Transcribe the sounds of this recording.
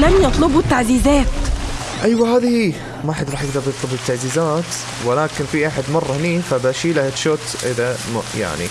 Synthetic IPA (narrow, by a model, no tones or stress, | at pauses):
lamjɑt̪ˤlʊbut̪ːaʕziːzæːt̪ | ʔajwaɦaːðihi | maħɪd̪ɾˤɑːħjɪɡ̚d̪ɑɾˤjɑt̪ˤlʊbɪt̪ːaʕziːzaːt̪ | wɪlaːkɪnfiʔaħad̪mɑrˤːɑhniːfabaːʃiːlahɪt̪ʃʊːt̪ʔɪðam̰ja̰ʕnḭ